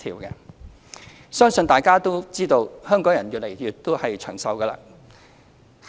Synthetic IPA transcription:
t̪ʰiː˨˩wkɛ˧ | sœː˥ŋsɵ˧nt̪aː˨jkaː˥t̪o˥wt͡siː˥t̪o˧whœː˥ŋkɔː˨˥ŋjɐ˨˩njyː˨t̚lḛ˨˩jjyː˨t̪ːo˥whɐ˨jt͡ʃʰœː˨˩ŋsɐ˧wkɐ˧la̰ː˧˥

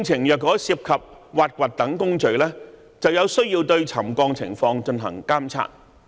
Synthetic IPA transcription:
ŋt͡sʰɪ˨˩ŋjœː˨t̚kɔː˨˥siː˧p̚kʰɐ˨p̚waː˨t̚kʷaː˨˩t̚t̪ɐ˨˥ŋkʊ˥ŋt͡ʃɵ˨ɥlɛː˥ | t͡sɐ˨wjɐ˨˧wsɵ˥ɥjiː˧wt̪ɵ˧ɥt͡sʰɐ˨˩mkɔː˧ŋt͡sʰɪ̰˨˩ŋfɔː˧ŋt͡ʃɵ˧nɦɐ̰˨˩ŋkaː˥mt͡sʰa̰ː˧˥t̚

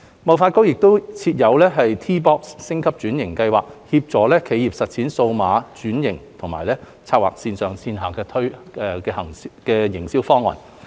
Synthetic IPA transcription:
mɐ˨˩wfaː˧t̚ko˥wjɪ˨k̚t̪o˥wt͡sʰiː˧t̚jɐ˨˧wlɛː˥ɦɐ˨jt̪ʰiː˥p̬ɔː˥kssɪ˥ŋkʰɐ˥p̚t͡ʃyː˨˥njɪ˨˩ŋkɐ˧jwa̰ː˨k̚hiː˧p̚t͡sɔː˨˥lɛː˥kʰe˨˧jiː˨p̚sɐ˨t̚t͡sʰiː˨˥nso˧wmaː˨˧˥t͡ʃyː˨˥njɪ˨˩ŋt̪ʰʊ˨˩ŋmaː˨˩jlɛː˥ | t͡sʰaː˧k̚wa̰ː˨˩k̚siː˧nsœː˨˩ŋsiː˧nɦaː˨˩kɛː˧t̪ʰɵ˥ɥ | ɛ˧kɛː˧hɐ˨˩ŋkɛː˧jɪ˨˩ŋsiː˥wfɔː˥ŋːɔ̰ː˨˩n

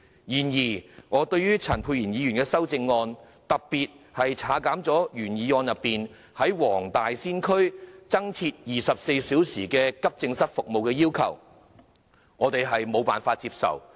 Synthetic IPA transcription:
jiː˨˩njiː˨˩ŋɔː˨˧t̪ɵ˧ɥjyː˥t͡sʰɐ˨˩npʰuː˧jiː˨˩njiː˨˧jyː˨˩nkɛː˧sɐ˥wt͡sɪ˧ŋːɔː˧n | t̪ɐ˨k̚piː˨t̚hɐ˨jt͡sʰaː˨˥kaː˨˥mt͡sɔː˨˥jyː˨˩njiː˨˧ŋɔː˧njɐ˨pːiː˨n | hɐ˨˥jwɔː˨˩ŋt̪aː˨jsiː˥nkʰɵ˥ɥt͡sɐ˥ŋt͡sʰiː˧t̚jiː˨sɐ˨p̚se˧jsiː˨˥wsiː˨˩kɛː˧kɐ˥p̚t͡sɪ˧ŋsɐ˥t̚fʊ˨k̚mo˨wkɛː˧jiː˥wkʰɐ̰˨˩w | ŋɔː˨˧t̪e˨jɦɐ˨jmo˨˧wpaː˨nfaː˧t̚t͡siː˧p̚sɐ̰˨˩w

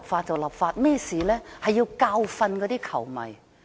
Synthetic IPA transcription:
p̚faː˧t̚t͡sɐ˨wlɐː˨˩p̚faː˧t̚mɛː˥siː˨lɛː˥hɐ˨jːiː˧wkaː˧wfɐ˧nkɔː˨˧t̪iː˥kʰɐ˨˩wmɐ̰˨˩j

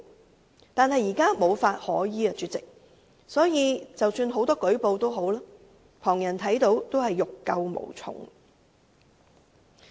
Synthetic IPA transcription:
t̪aː˨nhɐ˨jːiː˨˩kaː˥mo˨˧wfaː˧t̚hɔː˨˥jiː˨˧ɐ˧t͡syː˨˧t̚t͡sɪ˨k̚ | sɔː˨˥jiː˨˧t͡sɐ˨wsyː˧nɦo˨˥wt̪ɔː˥kɵ˨˥ɥpo˨˧wt̪o˥wɦo˨˥wlaː˥ | pʰɔː˨˩ŋjɐ˨˩nt̪ʰɐ˨˥jt̪o˨˥wt̪o˥whɐ˨jːʊ˨kːɐ˧wmo̰˨˩wt͡sʰʊ̰˨˩ŋ

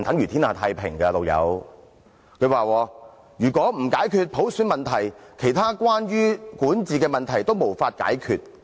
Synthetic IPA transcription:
t̪ɐ˨˥ŋjɥyː˨˩t̪ʰiː˥naː˨˩t̪ʰaː˧jpʰɪ˨˩ŋkɐ˧t̪o˨˩jɐ̰˨˧w | kʰɵ˨˧ɥwaː˨wɔː˧ | jyː˨˩kʷɔː˨˥m̩˨˩kaː˨˥jkʰyː˧t̚pʰo˨˥wsyː˨˥nmɐ˨nt̪ʰɐ˨˩jkʰe˨˩jt̪ʰaː˥kwaː˥njyː˥kuː˨˥nt͡siː˨kɛː˧mɐ˨nt̪ʰɐ˨˩jt̪o˥wmo˨˩wfaː˧t̚ka̰ː˨˥jkʰyː˧t̚

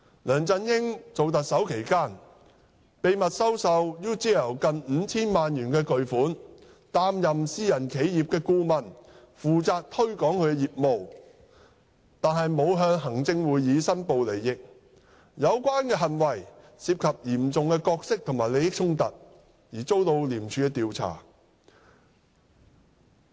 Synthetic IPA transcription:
lœː˨˩ŋt͡sɐ˧njɪ˥ŋt͡so˨wt̪̬ɐ˨t̚sɐ˨˥wkʰe˨˩jkaː˥n | pe˨jmɐ˨t̚sɐ˥wsɐ˧wjyː˥t͡siː˥jɐ˨˩wkɐ˨nm̩ː˨˧t͡sʰiː˥nmaː˨njyː˨˩nkɛː˧kɵ˨ɥfuː˨˥n | t̪aː˧mjɐ˨msiː˧jɐ˨˩nkʰe˨˥jjiː˨p̚kɛː˧kuː˧mɐ˨˩n | fuː˨t͡saː˧k̚t̪ʰɵ˥ɥkɔː˨˥ŋkʰɵ˨˧ɥɛ˧jiː˨p̚mo˨w | t̪aː˨nɦɐ˨jmo˨˧wɦœː˧ŋɦɐ˨˩ŋt͡sɪ˧ŋwuː˨˧jːiː˨˧sɐ˥npo˨˧wle˨˩jːɪ˨k̚ | jɐ˨˧wkʷaː˥nkɛː˧ɦɐ˨nwɐ˨˩j | siː˧p̚kʰɐ˨p̚jiː˨˩mt͡sʊ˨ŋkɛː˧kɔː˧k̚sɪ˥k̚t̪ʰʊ˨˩ŋmaː˨jle˨˧jɪ˥k̚t͡sʰʊ˥ŋt̪ɐ̰˨t̚ | jiː˨˩t͡so˥wt̪o˧wliː˨˩mt͡ʃʰyː˨˧˥ɛː˧t̪iː˨wt͡sʰa̰ː˨˩

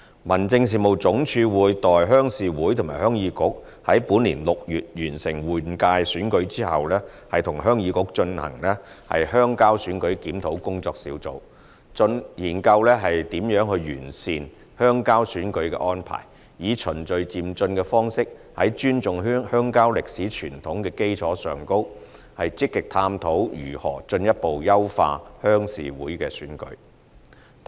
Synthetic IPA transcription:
mɐ˨˩nt͡sɪ˧ŋsiː˨mo˨wt͡sʊ˨˥ŋt͡ʃʰyː˧wuː˨˧jt̪ɔː˨jɦœː˥ŋsiː˨˧wuː˨˥jt̪ʰmaː˨˩jhœː˥ŋjiː˨˧˥kʊ˨˥k̚ | hɐ˨˥jpuː˨˥nliː˨˩nlʊ˨k̚jyː˨t̚jyː˨˩nsɪ˨˩ŋwuː˨˩nkaː˧jsyː˨˥nkɵ˨˥ɥt͡siː˥hɐ˨wlɛː˥ | hɐ˨jt̪ʰʊ˨˩ŋɦœː˥ŋjiː˨˧kʊ˨˥k̚t͡ʃɵ˧nhɐ̰˨˩ŋlɛː˥ | hɐ̰˨jhœː˥ŋkaː˥wsyː˨˥nkɵ˨˥ɥkiː˨˥mt̪ʰo˨˥wkʊ˥ŋt͡sɔː˧k̚sḭː˨˥wt͡so̰˨˧w | t͡sɵ˧njiː˨˩nkɐ˧wlɛː˥ɦɐ˨jt̪iː˨˥mjœː˨˥ŋɦɵ˧ɥjy̰ː˨˩nsiː˨n | hœː˥ŋkaː˥wsyː˨˥nkɵ˨˧ɥkɛ̰˧ʔɔː˥npʰa̰ː˨˩j | jiː˨˧t͡ʃʰɵ˨˩nt͡sɵ˨˧ɥt͡siː˨mt͡sɵ˧nkɛː˧fɔː˥ŋsɪ˥k̚ | hɐ˨˥jt͡ʃyː˥nt͡sʊ˨ŋː˥hœː˥ŋkaː˥wlɪ˨k̚siː˨˥t͡ʃʰyː˨˩nt̪ʰʊ˨˥ŋkɛː˧ke˥jt͡sʰɔː˨˥sœː˨ŋko˥w | hɐ˨jt͡sɪ˥kːɪ˨k̚t̪ʰaː˧mt̪ʰo˨˥wjyː˨˩hɔ̰ː˨˩t͡ʃɵ˧njɐ˥t̚po˨wjɐ˥wfa̰ː˧hœː˥ŋsḭː˨wuː˨˥jkɛː˧sy̰ː˨˥nkɵ̰˨˥

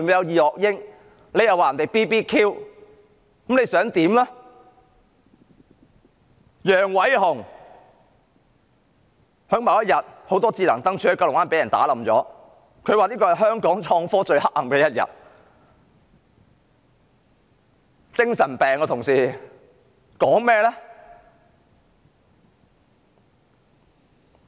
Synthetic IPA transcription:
mu˨˧jɐ˨˧wjiː˨hɔː˨k̚jɪ˥ŋ | le˨˧jɐ˨waː˨ɐ˨˩nt̪jpiː˥piː˥kʰiː˥w | kɐ˨˦mne˨˧jsœː˨˥ŋt̪iː˨˥mlɛ˥ | jœː˨˩ŋwɐ˨˥jɦʊ˨˩ŋ | hœː˨˥ŋmɐ˨˧wjɐ˥t̚jɐ˨t̚ho˨˥wt̪ɔː˥t͡siː˧lɐ˨˩ŋt̪ɐ˥ŋt͡ʃʰyː˨˥hka˧lʊ˨ŋwaː˥npe˨˥jɐ˨˩nt̪a̰ː˨˥lɐ˨mt͡sɔ̰ː˨˥ | kʰɵ˨˧ɥwaː˨˧liː˥kɔː˧hɐ˨jɦœː˥ŋkɔː˨˥ŋt͡ʃʰɔː˧ŋfɔː˥t͡ʃɵ˧ɥhɐ˥k̚hɐ˨mkɛː˧jɐ˥t̚jɐ̰˨t̚ | t͡sɪ˥ŋsɐ˨˩npɛː˨ŋɔː˧t̪ʰʊ˨˩ŋsiː˨ | kɔː˨˥ŋmɛː˥lɛː˥

